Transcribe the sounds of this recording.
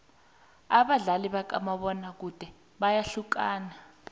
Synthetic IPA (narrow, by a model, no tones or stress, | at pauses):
aɓaɮaliɓak̬a̰maɓɔnak̬ud̥ʱɛ | ɓajaɬuk̬aːna